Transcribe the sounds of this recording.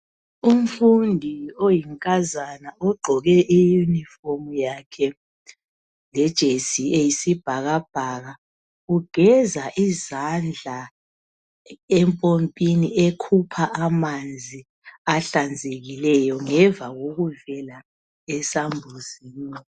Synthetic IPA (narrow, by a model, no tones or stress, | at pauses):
um̩fundʱiojiŋkʼazanaɔɡ͡ǃʱɔɣɛʔijunifomjakʰɛ | lɛd̥ʒ̥ʱesieisib̥ʱaɣab̥ʱaɣa | uɡ̥ʱɛzaʔizand͡ɮʱa | ɛmpʼompʼiniekʰupʰaʔamand͡zʱi | aɬand͡zʱeɣilɛjɔŋɛɱvaɣoɣuvɛla | ɛsambʱuz̥iːnɔ